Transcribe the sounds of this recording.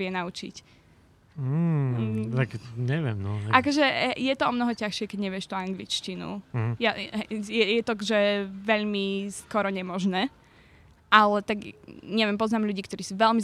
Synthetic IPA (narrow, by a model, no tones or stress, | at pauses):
ɪɛnaut͡ʃḭc̩ | t̪akɲɛʋɪɛmnɔʔakɔʒɛjɛt̪ɔɔmnɔɦɔcaxʃɪɛkɛɟɲɛʋɪɛʃt̪uaŋɡlḭt͡ʃcinṵjajɛjɛt̪ɔkʒɛʋɛʎmiskɔɾɔɲɛmɔʒnɛː | ʔalɛt̪aɡɲɛʋjɛmpɔznaːmʎuɟiːkt̪ɔɾiːsuːʋɛʎmi